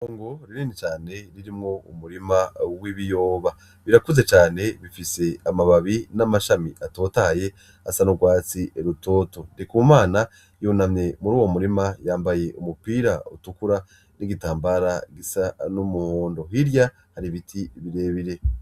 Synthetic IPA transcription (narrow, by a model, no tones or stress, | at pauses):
oːŋɡoɾiɾinit͡ʃaːne̞ɾiɾimŋo̞umuɾimawiβijo̞ːβa | βiɾakuze̞t͡ʃaːne̞βifise̞amaβaβinamaʃamiʔato̞ːtahaje̞ | asanuɡwaːt͡siʔeɾuto̞ːto̞ndekumaːna | jonamɲe̞muɾuːwo̞muɾimajaːmbaje̞ʔumupiːɾautukuɾa | niɡitaːmbaɾaɡisanumuhoːndo̞ɦiɾja | haɾiβitʰiβiɾe̞ːβiɾe̞